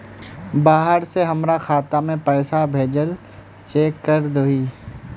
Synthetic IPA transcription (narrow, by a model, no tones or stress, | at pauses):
baːɦəɾseɦɐmɾaxaːt̪amẽpɛːsabʱeːd͡ʒəl | t͡ʃeːkːəɾd̪oiː